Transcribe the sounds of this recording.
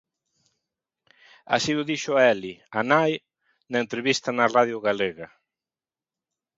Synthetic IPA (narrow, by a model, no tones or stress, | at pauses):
a̰siʊðiʃʊaɛlianaj | naent̪ɾeβist̪ɐnɐraðjʊɣaleɣa